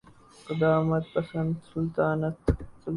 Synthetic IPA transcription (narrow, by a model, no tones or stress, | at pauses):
qɪd̪aːmɐt̪̚pɐsɐnd̪sʊlt̪aːnɐt̪sʊl